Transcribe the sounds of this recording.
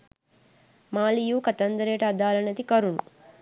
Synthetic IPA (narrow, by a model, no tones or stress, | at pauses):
maːlijuːkɐt̪ɐnd̪ɐɾeːʈɐːd̪aːlɐnɐt̪ikɐɾunu